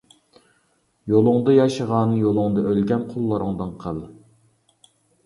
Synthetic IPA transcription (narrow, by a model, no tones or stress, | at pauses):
jolˠʊŋd̪ɑjɑʃəʁɑːnɨjolˠʊŋd̪ɑʔølɡʲɛnqʰolˠːɨɾɨŋd̪ɨnqʰəlˠ